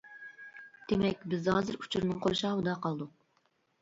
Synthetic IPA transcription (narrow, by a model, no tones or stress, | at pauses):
d̪̥emɛkʲbɪzhɑːzɨɾu̥t͡ʃʰuɾnɨŋqʰoɾʃɑud̪ɑqʰɑlˠd̪uq̚